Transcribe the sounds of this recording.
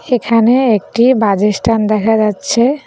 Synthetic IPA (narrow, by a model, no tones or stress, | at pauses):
ekʰaneek̚ʈibad͡ʑesʈand̪ɛkʰad͡ʑatːɕʰe